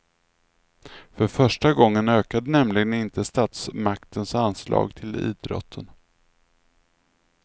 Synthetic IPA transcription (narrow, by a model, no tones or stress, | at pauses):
fœɾfœʂʈaɡɔŋːənøːkad̪ənɛmlɪɡənɪnt̪əst̪ɑːt̪smakt̪ʰənsanslʔɑ̰ːɡt̪ʰɪlḭːd̪ɾɔ̰t̪ʰːən